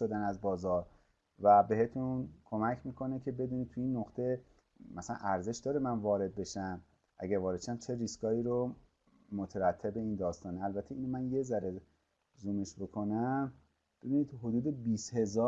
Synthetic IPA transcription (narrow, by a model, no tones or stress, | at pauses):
ʃod̪ænæzbɒːzɒːɾ | væbe̞he̞t̪ʰunkʰo̞mæcʰmiːkʰo̞ne̞cʰe̞be̞d̪uːnid̪̚t̪ʰujiːnːoxt̪ʰe̞ | mæsælæ̰nʔæɾze̞ʃd̪ɒːɾemænvɒːɾe̞d̪̚be̞ʃæm | ʔæ̰ɟæɾvɒːɾe̞d̪ʃoæmt͡ʃʰe̞riskɒːiːɾo | mo̞t̪ʰeɾæt̪ʰːe̞be̞iːnd̪ɒːst̪ɒːneælbæt̪ʰːe̞iːnomænje̞zæɾe | zuːmeʃbo̞kʰo̞næm | b̥e̞biniːd̪̥ɦod̪uːd̪e̞biːshe̞zɒː